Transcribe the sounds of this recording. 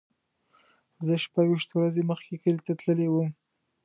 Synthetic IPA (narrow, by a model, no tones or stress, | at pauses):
zəʃpaɡweʃt̪wɾazeməxkekəlit̪at̪ləlewəm